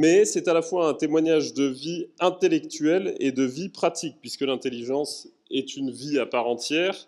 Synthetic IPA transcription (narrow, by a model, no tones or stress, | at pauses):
mɛsɛt̪alafwaɛ̃t̪emwaɲaʒd̪əviɛ̃t̪elɛkt̪ɥɛlḛd̪əvipχat̪ik̚pɥiskəlɛ̃t̪eliʒɑ̃s | ɛt̪ynviapaʁɑ̃t̪jɛːʁ